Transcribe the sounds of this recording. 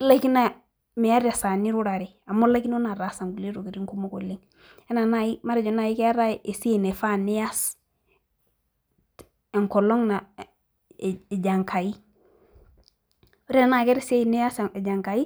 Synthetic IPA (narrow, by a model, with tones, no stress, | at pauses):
la˦ki˦na˨ | mɛ˨a˦ɾa˨sa˨ni˦ɾu˦ɾa˨ɾi˨a˨mo˦la˦ki˦n˦o˦na˨ɾa˨sa˨ŋɡu˨le˦ɾo˨ke˨ɾi˦ŋku˦mo˦ko˨li˦ŋ | ɛ˦na˨na˦˨ji˦ma˦ɾɛ˨d͡ʒɔ˨˦na˨ji˦kɛ˦a˦ɾa˦ʔe˨si˦e˦˨ne˨fa˦nɪ˦ja˦s | ɛ˨ŋkɔ˨lɔ˦ŋna˨ | d͡ʒa˨ŋkʰa˨ji˦ | ɾɛ˦na˦˨kɛ˦ɾe˦se˦˨nɪ˦a˦sd͡ʒa˨ŋka˨i˦